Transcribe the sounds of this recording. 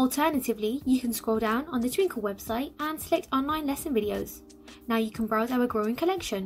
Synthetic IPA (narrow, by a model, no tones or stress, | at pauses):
əlˠtʰɜːnətɪvlijəkʰə̃nskɹɔːlˠdãʊ̃nə̃nðətʰw̥ɪ̃ŋkʰəlˠwɛb̥saɪtə̃nsəlɛk̚tɒ̃nlãɪ̃nlɛsə̃nvɪɾioʊz̥ | naʊjəkʰə̃nbɹaʊzaʊəɡɹəʊɪ̃ŋkʰəlɛkʃə̃n